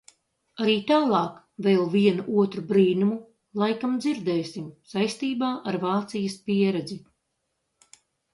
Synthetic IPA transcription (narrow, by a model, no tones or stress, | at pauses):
aɾiːt̪aːlˠɑːk | vɛːlˠviɛnuʔuɔt̪ɾubɾiːnumu | lˠajkamd̪ziɾd̪ɛːsʲimsajst̪iːbaːʔaɾvaːt̪sijɐspiɛɾɛd̪zi